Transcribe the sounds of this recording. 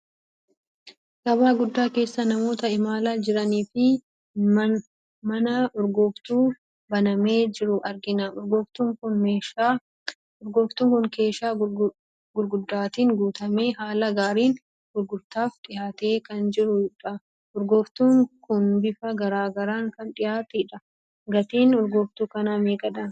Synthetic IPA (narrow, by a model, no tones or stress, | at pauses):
ɡ̥ɐbaːɡʊd̪ːaːke̞ːsːɐnɐmo̞ːt̪ɐɪmaːlaːd͡ʒɪɾɐniːfɪ | mɐnɐɔɾɡɔft̪uː | bɐnɐme̞ːd͡ʒɪɾʊʔɐɾɡɪnɐʊɾɡɔft̪uːŋkʊnmeːʃ | ʊɾɡoːft̪uːŋkʊnke̞ːʃaː | ɡʊɾɡʊd̪ːaːt̪iːŋɡuːt̪ɐme̞ːɦaːlɐɡaːɾiːn | ɡʊɾɡʊɾt̪aːfᶑɪjaːt̪e̞ːkɐnd͡ʒɪɾʊɪᶑɐ | ʔɔɾɡoːft̪uːŋkʊnbɪfɐɡɐɾaːɡɐɾaːŋkɐnᶑɪjaːt̪ɛᶑɐ | ɡɐt̪iːnɔɾɡoːft̪uːkɐnaːmeːkʼɐᶑ̪ɐn